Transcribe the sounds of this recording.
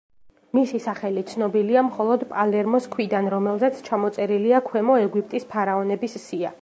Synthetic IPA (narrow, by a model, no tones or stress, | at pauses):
misisaχɛlit̪sʰnɔbiliamχɔlˠɔd̪pʼalɛɾmɔskʰwid̪anɾɔmɛlˠzɛt̪sʰt͡ʃʰamɔt̪sʼɛɾiliakʰwɛmɔɛɡwip̚ʰʼt̪ʼispʰaɾaɔnɛbissia